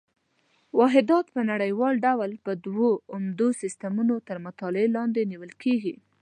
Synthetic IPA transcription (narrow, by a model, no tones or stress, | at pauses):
wɑɦɪd̪ɑt̪pənaɽəjwɑlɖawlpəd̪woʊmd̪osɪst̪amunot̪əɾmʊt̪ɑlelɑnd̪eniwəlkʰeɡi